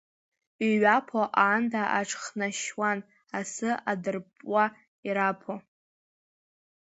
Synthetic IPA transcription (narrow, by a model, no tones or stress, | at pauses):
iɥapʰoʔandʰaʔaʈ͡ʂʰχnaʃwan | asɨadɨrpʼwa | iɾapʰo